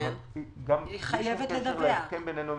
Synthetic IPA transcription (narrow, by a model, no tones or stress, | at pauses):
ɡamiχajevet̪led̪aeaebenenu